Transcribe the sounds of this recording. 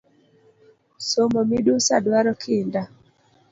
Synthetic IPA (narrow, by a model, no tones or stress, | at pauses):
somomiɗusadwaɾɔkʰɪnda